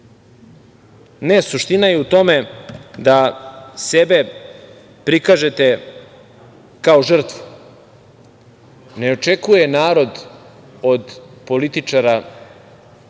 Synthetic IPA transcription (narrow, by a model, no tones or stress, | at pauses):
nesuʃt̪inajeut̪o̞me̞d̪asebe̞ | pɾikaʒe̞t̪e | kaoʒr̩t̪vu̥ | ne̞o̞t͡ʂekujenaːɾo̞d̪ | o̞d̪po̞lit̪it͡ʂaɾa